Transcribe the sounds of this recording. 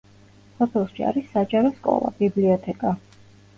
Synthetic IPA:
sɔpʰɛlˠʃia̰ɾisːad͡ʒʼaɾɔskʼɔ̰lˠa̰bibliɔt̪ʰɛkʼa

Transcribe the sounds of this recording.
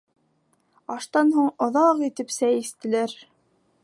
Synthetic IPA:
ɑʃt̪ɑnɦuɴŏðɑqit̪ɘpsæjist̪ɘ̆læɾ

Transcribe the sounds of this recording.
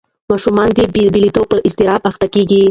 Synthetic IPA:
mɑʃumɑnd̪ebbilit̪opəɾʔɪst̪ɪɾɑbaxt̪akeɡi

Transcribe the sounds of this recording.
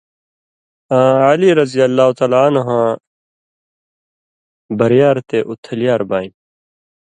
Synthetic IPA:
ãːaːliɾɐzijɐlːaːɦut̪aːlaːɐnɦãː | bɐɾijaːɾt̪eːʔut̪ʰːɐlijaːɾbaːĩm

